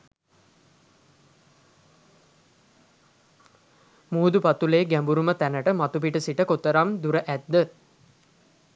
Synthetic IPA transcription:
muːd̪upat̪uleːɡæmbuɾumət̪ænəʈəmat̪upiʈəsiʈəkot̪əɾamd̪uɾəʔæd̪ːə

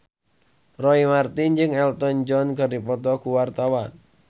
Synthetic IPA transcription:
rɔimart̪ind͡ʒɨŋɛlt̪ɔnd͡ʒɔnkərdipɔt̪ɔkuwart̪awan

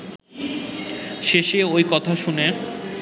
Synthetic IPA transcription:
ʃeʃeojkɔt̪ʰaʃune

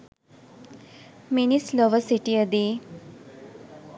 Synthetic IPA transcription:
minisloʋəsiʈiəd̪i

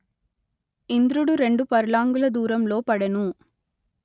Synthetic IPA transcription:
ɪnd̪ɾɯɽɯɾɛɳɖɯpɐɾɯlaːŋɡɯɭɐd̪uːɾɐmloːpɐɽɐnũ

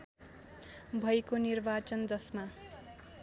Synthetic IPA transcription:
bʱʌjkonirbat͡sʌnd͡zʌsma

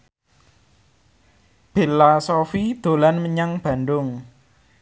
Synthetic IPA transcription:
b̥elasofid̪̥o̤lanməɲaŋb̥a̤ndʊŋ

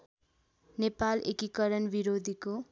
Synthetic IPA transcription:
nepalḛkikʌɾʌnbiɾod̪ʱiko

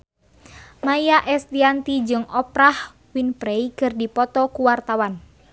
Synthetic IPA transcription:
majaʔɛsdiant̪id͡ʒɨŋɔpɾah | winpɾɛikɨrdipɔt̪ɔkuwart̪awan

